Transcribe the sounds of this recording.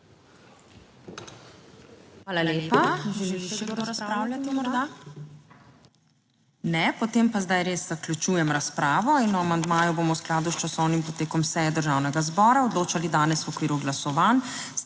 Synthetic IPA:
alalepaʒiɾaspɾaːwljat̪imɔɾd̪a | nɛpɔt̪eːmpazd̪ajɾesz̥aklʲut͡ʃuːjɛmɾaspɾaːʋɔinɔamand̪maːjuboːmɔwsklaːd̪ust͡ʃasɔwnimpɔt̪eːkɔmsɛjɛd̪əɾʒawnɛɡazbɔːɾaɔd̪loːt͡ʃalid̪aːnɛswɔkʋiːɾuɡlasɔʋan

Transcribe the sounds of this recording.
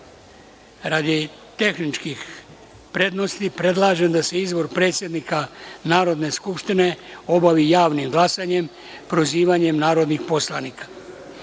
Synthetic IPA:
ɾad̪i | t̪e̞xnit͡ʃkix | pɾe̞d̪no̞st̪ipɾe̞d̪laːʒe̞md̪ase̞izbo̞ɾpɾe̞ːt̪sʲje̞d̪nikanaːɾo̞d̪ne̞skupʃt̪ine̞o̞baʋijaːʋnimɡlˠasaɲe̞m | pɾo̞ziːʋaɲe̞mnaːɾo̞d̪nixpo̞slˠanikḁ

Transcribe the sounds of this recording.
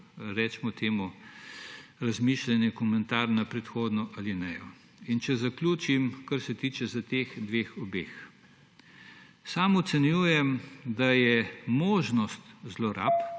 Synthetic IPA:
ɾɛːt͡ʃmɔt̪ʰeːmu | ɾɐzmiːʃlɛnjɛkɔmɛnt̪aːɾnapɾɛt̪xoːd̪nɔʔalinɛjɔ | int͡ʃɛzaklʲuːt͡ʃimkaɾsɛt̪iːt͡ʃɛzɐt̪eːxd̪ʋeːxɔbḛːx | saːmɔt̪sɛnjuːjɛmd̪ajɛmoːʒnɔst̪zlɔɾa̰p

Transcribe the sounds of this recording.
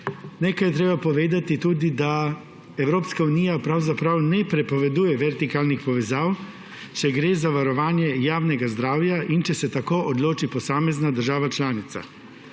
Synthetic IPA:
nekajɛt̪ɾeːbapɔʋeːd̪at̪it̪uːd̪id̪a | ɛwɾoːpskauniːjapɾawzapɾawnɛpɾɛpɔʋɛd̪uːjɛʋɛɾt̪ikaːlnixpɔʋɛzaːw | t͡ʃɛɡɾeːzaʋaɾɔʋaːnjɛjaːwnɛɡazd̪ɾaːwjaʔint͡ʃɛsɛt̪akoːʔɔd̪loːt͡ʃipɔsaːmɛznad̪əɾʒaːʋat͡ʃlaːnit̪sa̰

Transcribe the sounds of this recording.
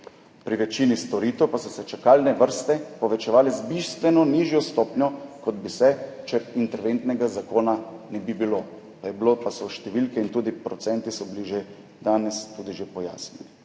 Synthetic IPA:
pɾiʋɛt͡ʃinist̪ɔɾiːt̪ɛwpasɔsɛt͡ʃakaːlnɛʋəɾst̪ɛpɔʋɛt͡ʃɛʋaːlɛzbist̪ʋɛnɔniːʒjɔst̪ɔːpnɔkɔd̪bisɛt͡ʃɛɾint̪ɛɾʋent̪nɛɡazakoːnanɛbibilo | pajɛbilopasɔʃt̪ɛʋilkɛint̪uːd̪ipɾɔt̪sɛnt̪isɔbiliʒe | d̪aːnɛst̪uːd̪iʒepɔja̰ːsnɛni

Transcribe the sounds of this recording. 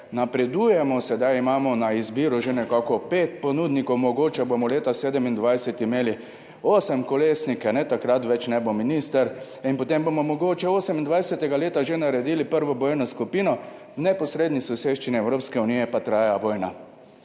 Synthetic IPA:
napɾɛd̪uːjɛmɔsɛd̪ajimaːmɔnaizbiːɾuʒenɛkakɔpeːt̪̚pɔnuːd̪nikɔwmɔɡoːt͡ʃɛbomɔleːt̪aseːd̪əmind̪ʋajsɛt̪imeːli | oːsɛmkɔleːsnikanɛt̪akɾat̪ʋɛt͡ʃnɛbominist̪əɾ | inpɔt̪embomɔmɔɡoːt͡ʃɛoːsɛmind̪ʋajsɛt̪ɛɡaleːt̪aʒenaɾɛd̪ilipəɾʋɔboːjnɔskupiːnɔ | wnɛpɔsɾeːd̪nisɔseːʃt͡ʃiniɛwɾoːpskɛunijɛpat̪ɾaːjaʋɔːjna̰

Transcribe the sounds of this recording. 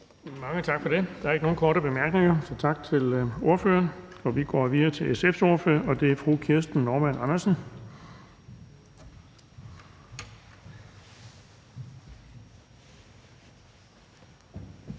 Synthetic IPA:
mɑ̈ŋət͡sʰɑ̈ɡ̥fɒ̽d̥e̝d̥ɑ̈æɐeɡəno̝ːn̩kʰɒ̰ːɾəb̥e̝mæɐɡ̥ne̝ŋɐsɒ̽t͡sʰɑ̈ɡ̥̚t͡sʰe̝lo̝ɐfø̰ːɐnɒ̽ʋiɡ̥ɒ̰ːʋiðˠɐːt͡sʰe̝lesefso̝ɐfø̰ɐʔɒ̽d̥e̝æɐfʁṵːkʰiɐsd̥n̩nɒːmænɑnɐsən̩

